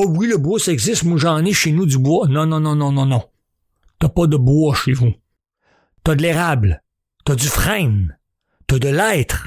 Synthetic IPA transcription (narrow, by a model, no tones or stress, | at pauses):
ɔwiləbwɔsɛɡzɪst̪mwaʒɑ̃ːneʃenud̪ybwɔnɔ̃nɔ̃nɔ̃nɔ̃nɔ̃nɔ̃ | t̪ɐpʌd̪əbwɔʃevu | t̪ɐd̪leʁabl | t̪ɐd͡z̪yfʁɛ̃n | t̪ad̪əlɛːt̪χ